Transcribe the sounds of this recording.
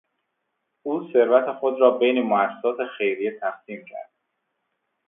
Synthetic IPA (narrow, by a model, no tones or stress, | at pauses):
uːse̞ɾvæt̪ʰexod̪ɾɒːbejnemoæsːe̥sɒːt̪ʰe̞xe̞jɾijet̪ʰæxsiːmcʰæ̰ɾd̪̥̚